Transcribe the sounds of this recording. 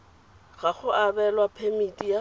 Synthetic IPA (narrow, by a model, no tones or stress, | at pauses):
ɣaχʊʔabɛlwapʰemitʼija